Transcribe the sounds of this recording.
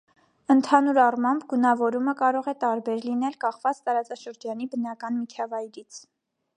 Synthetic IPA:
ənt̪ʰɑnuɾɑrmɑmbɡunɑvɔɾuməkɑɾɔʁɛt̪ɑɾbɛɾlinɛlkɑχvɑt͡st̪ɑɾɑt͡sɑʃəɾd͡ʒɑnibən̪ɑkɑnmit͡ʃʰɑvɑjɾit͡sʰ

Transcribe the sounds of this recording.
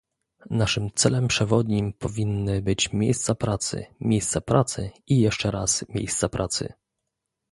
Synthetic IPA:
naʂɘmt̪sɛlɛmpʂɛvɔd̪ɲimpɔvʲinːɘbɘt͡ɕmʲjejst̪sapɾat̪sɘ̰mʲjejst̪sapɾat̪sɘ̰ | ijɛʂt͡ʂɛɾasmʲjḛjst̪sapɾʔat̪sɘ̰

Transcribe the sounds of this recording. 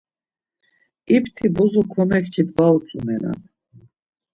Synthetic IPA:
ipt̪ʰibɔzɔkʰɔmɛkt͡ʃʰid̪vaut͡sʼumɛla̰n

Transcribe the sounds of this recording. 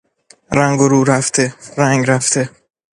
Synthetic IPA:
ɾæŋɡoɾuːɾæft̪ʰeɾæŋɡɾæft̪ʰe

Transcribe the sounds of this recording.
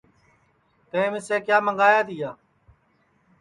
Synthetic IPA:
t̪ɛ̃ẽːʋɪseːkjaːməŋɡaːjaːt̪iːjaː

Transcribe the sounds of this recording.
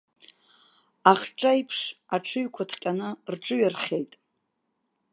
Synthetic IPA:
aχʲʈ͡ʂʼajpʰʂaʈ͡ʂʰɨɥkʷʰatʰqʲʼanɨrʈ͡ʂʼɨɥarχʲe̞jtʼ

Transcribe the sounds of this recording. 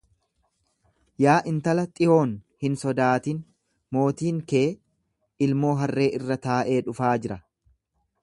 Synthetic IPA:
jaːʔɪnt̪ɐlɐt̪ʼɪo̞ːnhɪnsɔd̪aːt̪in | mo̞ːt̪iːŋke̞ː | ɪlmo̞ːɦɐrːe̞ːʔɪrːɐt̪aːʔe̞ːᶑʊfaːd͡ʒɪɾɐ

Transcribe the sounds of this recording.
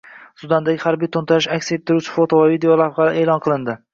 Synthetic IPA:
sʊd̪and̪aɡʲɪhaɾbijt̪ʰont̪ʰaɾɪʃakʲset̪ʰːɪɾut͡ʃʰɪ̥fo̞t̪ʰovavid̪eolˠaɾʁɑɾaʔe̞ːlˠɒnqʰɨlˠɪnd̪ɪ

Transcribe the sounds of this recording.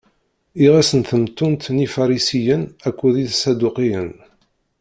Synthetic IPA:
iʁæsənθəmt̪ːunt̪nifɑɾˤisijənækʷːuðiθsæd̪uqijən

